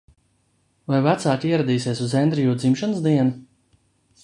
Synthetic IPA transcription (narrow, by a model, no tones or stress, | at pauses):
vajvat̪saːkʲiɛɾad̪iːsiɛsuzɛnd̪ɾijuːd̪zimʃanɨsd̪iɛnu